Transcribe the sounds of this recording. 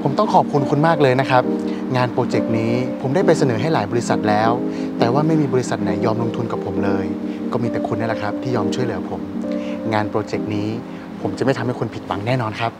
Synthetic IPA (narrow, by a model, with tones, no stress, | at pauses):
pʰo˩˦mt̪ɔ˥˩ŋkʰɔː˨˩p̚kʰu˧nkʰu˧nmaː˥˩k̚lɤː˧jna˦˥kʰa˦˥p̚ | ŋaː˧npɾoː˧t͡ɕe˨˩k̚niː˦˥pʰo˩˦mdaː˥˩jpa˧jsa˧nɤː˩˦ɦa˥˩jlaː˩˦jbɔː˧ɾi˧˥sa˨˩t̪̚lɛː˦˥w | t̪ɛː˨˩waː˥˩ma˥˩jmiː˧bɔː˧ɾi˧˥sa˨˩t̪̚na˩˦jːɔː˧mlo˧ŋt̪ʰu˧nka˨˩pʰːo˩˦mlɤː˧jkɔː˥˩miː˧t̪ɛ˨˩kʰu˧nːa˥˩la˨˩kʰɾa˦˥p̚t̪ʰiː˥˩jɔː˧mt͡ɕʰu˥˩əjlɯ˩˦ɐ˦pʰo˨˩˦mŋaː˧npɾoː˧t͡ɕe˨˩k̚niː˦˥ | pʰo˨˩˦mt͡ɕa˨˩ma˥˩t̪ʰa˧mha˥˩jkʰo˧npʰi˨˩t̪̚wa˩˦ŋnɛː˥˩nɔː˧nkʰa˦˥p̚